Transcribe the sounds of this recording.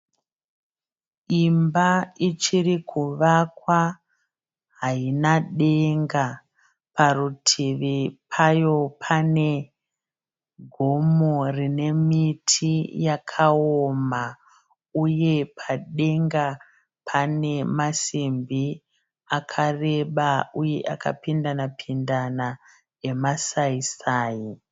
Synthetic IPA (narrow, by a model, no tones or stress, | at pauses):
imbait͡ʃirikʰuʋakwa | ɦainaɗe̞ŋɡa | parutʰiʋipʰajo̞pʰane̞ | ɡʱo̞morine̞mitʰijakʰaoma | uje̞pʰaɗe̞ŋɡa | pʰane̞masimbi | akʰare̞ɓauje̞̰ʔaka̰pindanapʰindana | emasaisaːji